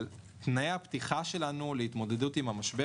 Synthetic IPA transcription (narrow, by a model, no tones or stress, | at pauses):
l | t̪naeapt̪iχaʃe̞lanuleit̪mo̞d̪edutimamaʃbe